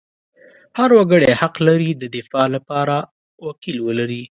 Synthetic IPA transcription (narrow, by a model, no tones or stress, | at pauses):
haɾwaɡəɽɛhaqlaɾid̪əd̪ɪfɑlapɑɾa | wakilwəlaɾi